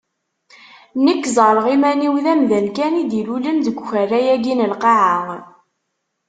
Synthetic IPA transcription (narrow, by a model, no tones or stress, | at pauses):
nəkːzˤəɾˤəʁimæniwðæmðənkænid̪ilulənd̪əɡʷçærːæjæɡinəlqɑʕaŋ